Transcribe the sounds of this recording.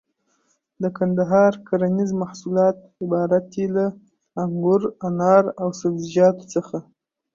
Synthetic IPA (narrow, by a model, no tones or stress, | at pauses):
d̪əkand̪aɦɑɾkʰaɾanizmahsulɑt̪̚ | ɪbɑɾat̪̚elaː | ŋɡʊɾanɑɾawsabzid͡ʒɑt̪o̥t͡səxa